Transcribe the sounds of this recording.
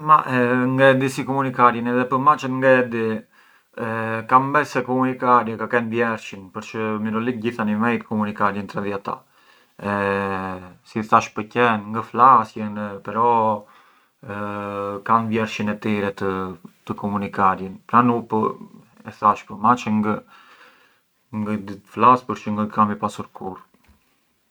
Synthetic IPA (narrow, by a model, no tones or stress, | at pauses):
maŋɡəd̪isikɔmunikaɾjənɛðɛpəɾmat͡ʃənŋɡɛd̪i | kambɛsɛkɔmunikaɾjəkakɛnvjɛɾʃinpəɾt͡ʃəmiɾɔlik̚ɟiθanimɛjt̪kɔmunikaɾjənt̪ɾɛðiat̪a̰ | ɛ | siθaʃpəcɛnŋɡəflasjənpɛɾɔ | kanvjɛɾʃinɛt̪iɾɛt̪ət̪əkɔmunikaɾjinpɾanupə | ɛθaʃpəmat͡ʃəŋɡə | ŋɡəd̪iflaspəɾt͡ʃəŋɡəkʰamipasuɾkʰuɾ